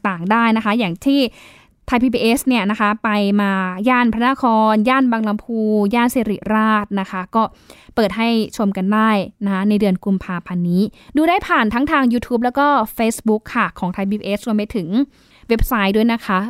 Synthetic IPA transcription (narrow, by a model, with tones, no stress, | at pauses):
t̪aː˨˩ŋdaː˥˩jna˦˥kʰa˦˥jaː˨˩ŋt̪ʰiː˥˩ | t̪ʰa˧jpʰiː˧biː˧ʔe˦˥sni˥˩ɐna˦˥kʰa˦˥pa˧jmaː˧jaː˥˩npʰɾa˦˥na˧˥˩kʰɔː˧njaː˥˩nbaː˧ŋla˧mpʰuː˧jaː˥˩nseː˧ɾi˨˩ɾaː˥˩t̪̚na˦˥kʰa˦˥kɔː˥˩pɤː˨˩t̪̚ɦa˥˩jt͡ɕʰo˧mka˧ndaː˥˩jna˦˥kʰa˦˥na˧jdɯ˧ənku˧mpʰaː˧pʰa˧nːiː˦˥duː˧ɾaː˥˩jpʰaː˨˩nt̪ʰa˦˥ŋt̪ʰaː˧ŋjuː˧t̪ʰuː˦˥p̚lɛː˦˥wkɔː˥˩feː˦˥sbu˦˥kʰːa˥˩kʰɔː˩˦ŋt̪ʰa˧jpʰiː˧biː˧ʔeː˦˥s̚ɾu˧əmpa˧jt̪ʰɯ˩˦ŋ | we˦˥p̚sa˦˥jdu˥˩jna˦˥kʰa˦˥